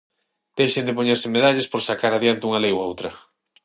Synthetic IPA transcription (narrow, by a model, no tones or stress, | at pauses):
d̪̥ejʃend̪epoɲɛɾsɪmeðaʎespoɾsakaɾaðjant̪ɪuŋalejwaowt̪ɾɐ